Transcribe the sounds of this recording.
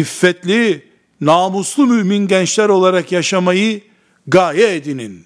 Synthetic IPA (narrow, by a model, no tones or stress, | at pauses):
ifːɛt̪lʲi | naːmuslˠumyʔminɟɛnt͡ʃlʲæɾo̞lˠaɾakjaʃamajɯ | ɡaːjɛed̪inin